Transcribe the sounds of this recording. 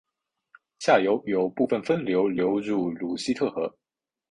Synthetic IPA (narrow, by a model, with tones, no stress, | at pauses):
ɕja˥˩jo˧˥ʊjo˨˩ʊpu˥˩fə˥˨˩nfə˥nljo˧˥ʊljo˧˥ʊɻu˥˩lu˧˥ɕi˥t̪ʰɤ˥˩xɤ˧˥